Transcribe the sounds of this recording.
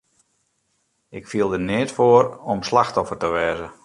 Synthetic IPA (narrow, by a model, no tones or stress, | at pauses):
ɪkfiəlˠdənɪːtfoəɾɔmslaxtɔfərtəʋɛːzə